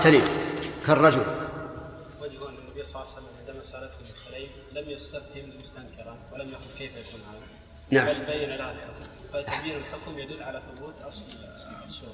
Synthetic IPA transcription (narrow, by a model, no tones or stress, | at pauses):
t̪anikarˤːɑd͡ʒʊl | wad͡ʒhʊʔɪnːanːabiːsˤɑlɑsalːamʔɪnd̪amasˤɑːɾˤɑt̪hʊmɪlxalaːf | lamjast̪afhɪmmʊst̪aŋkɪɾˤɑnwɪlamjaxʊdkeːfjakuːnhaːða | naʕbalbajːanalahalʔɑd̪ʊfaabiːɾɪlt̪akʊmjad̪ʊlːʕalaθʊbuːt̪ʔɑsˤl | sːuː